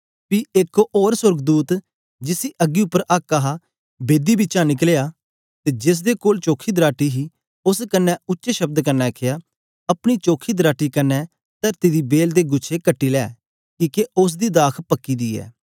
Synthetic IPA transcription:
piːɪkoʔoːɾsʊɾɡd̪uːt̪ | d͡ʒɪsiːʔəɡːiʊpːəɾʔaːkːaɦa | beːd̪iːbɪt͡ʃãːnɪkleːjaː | t̪eːd͡ʒɪs̬d̪eːkoːlt͡ʃoːkʰiːd̪ɾaːʈiɦiː | ʊskənːɛːʊtːʃeʃəb̚d̪kənːɛːkʰejaː | ɐpɽ̃it͡ʃoːkʰiːd̪ɾaːʈiːkɐnːɛː | t̪əɾt̪id̪iːbeːld̪eːɡʊt͡ʃʰekəʈːiːlɛ̰ː | kiːkeʊs̬d̪iːd̪aːkʰpəkːiːd̪iːɛ̰ː

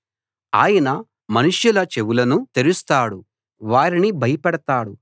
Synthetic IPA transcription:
aːjɐnɐ | mɐnuʂjulɐt͡ʃe̞ʋulɐnut̪eɾust̪aːɽu | ʋaːɾinibʱɐjɐpɛɽɐt̪aːɽu

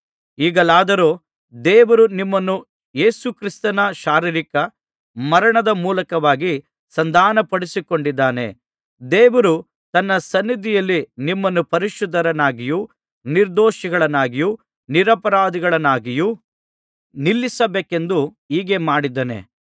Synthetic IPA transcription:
iːɡɐlaːd̪ɐɾoː | d̪eːʋɐɾunimːɐnːu | jeːsukɾist̪ɐnɐʃaːɾiɾikɐ | mɐɾɐɳɐd̪ɐmuːlɐkɐʋaːɡi | sɐnd̪aːnɐpɐɽisiko̞ɳɖid̪ːaːne̞̰ | d̪ɛːʋɐɾu | t̪ɐnːɐsɐnːid̪ʱijɐlːinimːɐnːupɐɾiʃud̪ʱːɐɾɐnaːɡiju | niɾd̪oːʃiɡɐɭɐnːaːɡiju | niɾɐpɐɾaːd̪iɡɐɭɐnaːɡiju | nilːisɐbeːke̞nd̪u | iːɡe̞maːɽid̪ɐnḛ

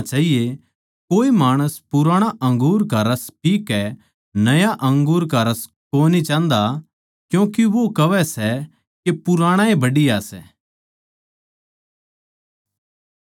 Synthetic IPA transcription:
t͡ʃaːɦije | koːimaːɽ̃əspʊɾaːɽ̃aʔɐ̃ŋɡuːɾkɐɾaspiːkːɛ | nɐjaʔɐ̃ŋɡuːɾkɐɾas | koːnit͡ʃãːnd̪a | kjũːkiʋokɐʋɛsɛ | kepʊɾaːɽ̃ãẽbɐɽijasɛ

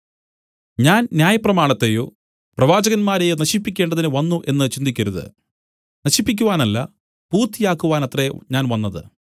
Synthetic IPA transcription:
ɲaːnnjaːjɐprɐmaːɳɐt̪ːejo̰ː | prɐʋaːd͡ʑɐɣɐnmaːɾejonɐɕipːikʲːe̞ːɳɖɐðinɨʋɐnːuʔe̞nːɨt͡ɕind̪ikʲːɐɾuðɨ̰ | nɐɕipːikʲːuʋaːnɐlːɐ̰ | puːrt̪ːijaːkːuʋaːnɐt̪reɲaːnʋɐnːɐðɨ̰

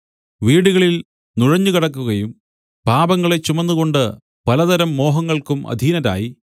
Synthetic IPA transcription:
ʋiːɽuɣɐɭil | nuɻɐɲːukiɽɐkːuɣɐjum | paːbɐŋːɐɭe̞t͡ɕːumɐnːuɣo̞ɳɖɨ | pɐlɐðɐɾɐmːo̞ːɦɐŋːɐɭkumʔɐ̰d̪ʱiːnɐɾa̰ːji

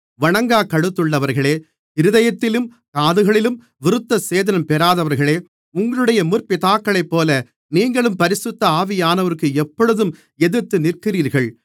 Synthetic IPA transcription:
ʋɐɳɐŋɡaːkɐɽɯt̪ːɯɭːɐʋɐɾɣɐɭeː | ɪɾɯðɐjɐt̪ːɪlɯm | kaːðɯɣɐɭɪlɯm | ʋɪɾɯt̪ːɐseːðɐnɐmpɛɾaːðɐʋɐɾɣɐɭeː | ʊŋɡɐɭɯɽɐjɐmʊrpɪt̪aːkːɐɭɐɪpːoːlɐ | niːŋɡɐɭɯmpɐɾɪsʊt̪ːɐaːʋɪjaːnɐʋɐɾɯkːɯɛpːɔɻɯðɯm | ɛðɯɾt̪ːɯnɪrkɪriːɾɣɐɭ

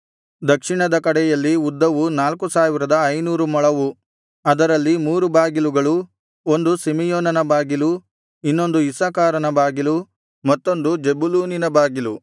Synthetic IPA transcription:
d̪ɐkʂiɳɐd̪ɐkɐɽɛjɐlːiud̪ːɐʋunaːlkusaːʋiɾɐd̪ɐːjnuːɾumɔɭɐʋu | ɐd̪ɐɾɐlːimuːɾubaːɡiluɡɐɭu | o̞nd̪usimijɔːnɐnɐbaːɡilu | inːo̞nd̪uisakaːɾɐnɐbaːɡilu | mɐt̪ːo̞nd̪ud͡ʒebuluːninɐbaːɡilu

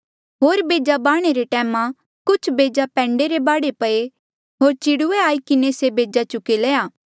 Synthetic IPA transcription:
ɦoːɾbeːd͡ʒabaːɽ̃eɾeʈɛːmã | kʊt͡ʃʰbeːd͡ʒapɛ̃ːɳɖeɾebaːɽepɐe | ɦoːɾt͡ʃɪɽʊeaːikɪnesebeːd͡ʒat͡ʃʊkeleːaː

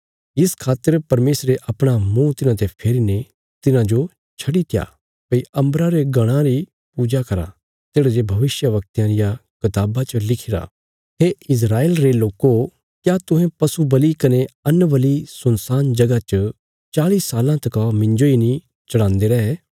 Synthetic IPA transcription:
ɪskʰaːt̪ːəɾpɐɾmeːsɾeʔɐpɽ̃amũt̪ɪnãt̪epʰeːɾine | t̪ɪnãd͡ʒo | t͡ʃʰɐɽit̪ʰɪja̰ | pɐiɐ̃mbɾaɾeɡɐɽ̃ãɾi | puːd͡ʒakɐɾa̰ | t̪eːɽaɾebʱɐʋɪsjəʋɐk̚t̪jãɾɪjakɪt̪aːbat͡ʃəlɪkʰɪɾa̰ː | ɦeɪs̬ɾaːeːlɾeloːko | kjat̪ʊ̃ɦẽpɐsubɐlikɐneɐnːʋɐlisʊnsaːnd͡ʒɐɡat͡ʃə | t͡ʃaːlisaːlãt̪ɐkamɪ̃ɲd͡ʒoinĩ | t͡ʃɐɽ̃ãːnd̪eɾɐɦɛ

